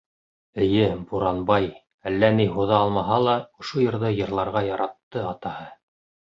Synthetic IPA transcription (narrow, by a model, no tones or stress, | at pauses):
ɘ̆jɘbuɾɑnbɑj | ælːæniɦuðɑɑlˠmɑɦɑlˠɑŏʃojɤ̆ɾðɤjɤ̆ɾlˠɑɾʁɑjɑɾɑt̪ːɤɑt̪ɑhɤ